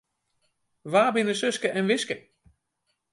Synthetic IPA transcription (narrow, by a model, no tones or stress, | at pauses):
ʋaːbɪnəsøskəʔɛnʋɪskə